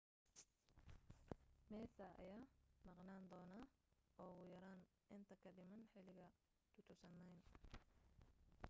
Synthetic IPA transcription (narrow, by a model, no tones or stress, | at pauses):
mɛːsɐʔɐ̰jaːmɑqnaːnd̪ɔːnaːɔːɣʊjɐɾaːn | ʔɪnt̪ʰɐkʰɐɖɪmɐnħɪlɪɣɐ | t̪ʰʊt̪ʰʊsɐnːɐjn